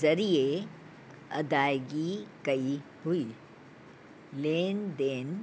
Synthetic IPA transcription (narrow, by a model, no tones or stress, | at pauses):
ɐɾie | ɐ̰d̪aːɡikɐi | hʊi | leːnd̪eːn